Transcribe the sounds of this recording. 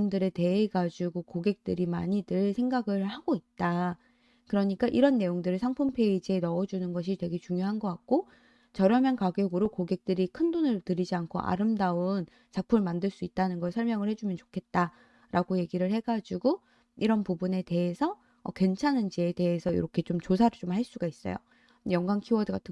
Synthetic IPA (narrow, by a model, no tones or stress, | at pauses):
ndɯɾe̞te̞eɡad͡ʑuɡokoɡe̞k̚t͈ɯɾimaɲidɯɭsʰe̞ŋɡaɡɯɭhaɡoit̚t͈a | kɯɾʌɲik͈aʔiɾʌnːe̞joŋdɯɾisʰaŋpʰumpʰe̞id͡ʑe̞nʌːd͡ʑunɯnɡʌɕ̬ʰitwe̞ɡe̞t͡ɕuŋjoɦanɡʌk͈ak̚k͈o | t͡ɕʌɾjʌmjʌnkaɡjoɡɯɾokoɡe̞k̚t͈ɯɾikʰɯndonɯɭtɯɾid͡ʑiankʰo̰ʔa̰ɾɯmdaon | t͡ɕak̚pʰumɯɭmandɯɭs͈uit̚t͈anɯnɡʌɭsʰʌɭmjʌŋɯɭhe̞d͡ʑumjʌnt͡ɕo̥kʰe̞t̚t͈a | ɾaɡoje̞ɡiɾɯɭhe̞ɡad͡ʑuɡo | iɾʌnpubune̞te̞ɦesʰʌː | kwe̞nt͡ɕʰanɯnd͡ʑiete̞ɦesʰʌḭɾʌkʰe̞t͡ɕomt͡ɕos̬ʰaɾɯɭt͡ɕomhaɭs͈uɡais͈ʌ̰jo̰ | jʌŋɡwaŋkʰiwʌdɯɡatʰɯ